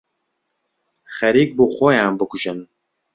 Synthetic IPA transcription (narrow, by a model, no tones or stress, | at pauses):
χɛɾiːk̚buχʷɔjãːmbɨkʷuʒɨn